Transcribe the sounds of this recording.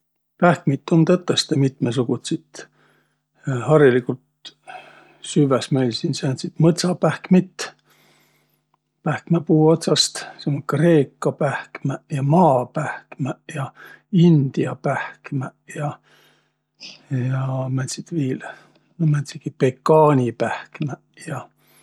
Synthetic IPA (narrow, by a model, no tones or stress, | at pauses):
pæhkmit̪ːˑont̪ɤt̪ˑːest̪emit̪mes̬uɡ̥ut̪sit̪ | hɑrilikult̪ | syvesmejlʲsinsænt̪sit̪mɤt̪sɑpæhkmit̪ː | pæhkmæpuːo̞t̪sɑst̪seŋkre̞ːkːɑpæhkmæjɑmɑːpæhkmæjɑind̪̥iɑpæhkmæjɑ | jɑmænsit̪viːl | nmænsikipekːɑːnʲipæhkmæ | jɑ